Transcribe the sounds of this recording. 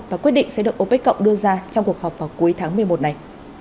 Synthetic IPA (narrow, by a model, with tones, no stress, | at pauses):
vaː˨˩kwt̚ɗḭ˧˨ŋ̟sɛ̰˧˥ɗɨ˨˩ək̚ʔo˨˧˦pɓa˦˥k̟kə̰˧˨wŋ͡mɗɨ˧əzaː˧t͡ɕɔ˧wŋ͡mku˨˩ək̚hɔː˨˩p̚vaː˨˩wku˨˦jt̪ʰaː˨˦ŋmɨ˨˩əjmo˨˩t̚na˨˩j